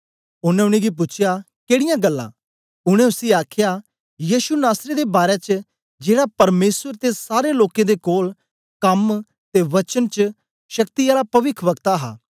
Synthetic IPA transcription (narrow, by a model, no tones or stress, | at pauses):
ʊnɛ̃ʊɽ̃ĩɡip̬ʊːt͡ʃʰja | keːɽɪjãɡəlːã̰ː | ʊɽ̃ẽʊsiaːkʰja | jiːʃunaːsɾed̪ebaːɾet͡ʃə | d͡ʒeːɽapɐɾmeːsəɾt̪esaːɾeloːkẽd̪ekoːl | kɐm | t̪eʋɐt͡ʃənt͡ʃə | ʃɐkt̪iaːlapɐʋɪkʰʋəkt̪aɦa̰ː